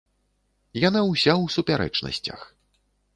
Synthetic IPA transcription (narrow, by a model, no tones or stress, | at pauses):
janawsʲawsupʲaɾɛ̰t͡ʂnɐ̰sʲt͡sʲɐ̰x